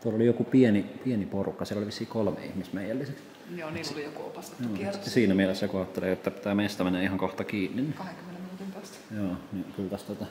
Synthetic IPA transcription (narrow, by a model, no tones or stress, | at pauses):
t̪uɑlolijokupienipieniporukːɑsieloliʋisːiːkolmḛihmismejˑælːiseks | joiolijokuopɑsjoːsiːnæmielesːækuɑˑt̪ːeleːet̪ːæpit̪æːmeˑist̪æmenːæihɑŋkoht̪ɑkiːnːinːikɑhekymːenet̪os | joːnikylt̪æst̪ot̪ɑ